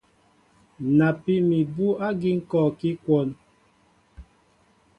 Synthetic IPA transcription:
na˨pi˦mi˨bu˦a˦ɡi˦ŋ̩˦kɔ˦˨ki˦kwɔ˦˨n

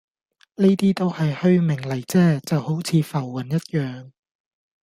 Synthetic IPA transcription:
niː˥t̪iː˥t̪o˥whɐ˨jhɵ˧ɥmɪ˨˩ŋlɐ˨˩jt͡sɛː˥t͡sɐ˨who˨˥wt͡sʰiː˨˧fɐ˨˩wːɐ˨˩njɐ˥t̚jœː˨ŋ

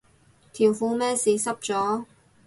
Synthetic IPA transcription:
t̪ʰiː˨˩wfuː˧mɛː˥siː˨˧sɐ˥p̚t͡sɔː˨˥

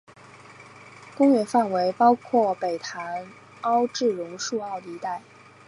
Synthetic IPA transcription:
kʊ˥ŋɥɛ˥˩fa˥˩nwe˧˥ɪpɑ˥ʊkʰwɔ˥˩pe˨˩ɪt̪ʰa˧˥n | ɑ˥ʊʈ͡ʂɻ̩˥˩ɻʊ˧˥ŋʂu˥˧ɑ˥˩ʊd̪əi˧˥t̪a˥˩ɪ

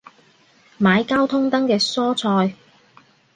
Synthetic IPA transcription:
maː˨˧jkaː˥wt̪ʰʊ˥ŋt̪ɐ˥ŋkɛː˧sɔː˥t͡sʰɔː˧j

